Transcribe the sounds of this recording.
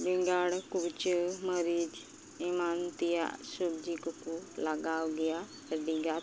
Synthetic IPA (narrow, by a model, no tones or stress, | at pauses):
bɪŋɡaːɽkut͡ʃəməɾiːd͡ʒ | ɪmaːnt̪ija̰subd͡ʒikəkuləɡaːɡɪjaː | səɖiɡaː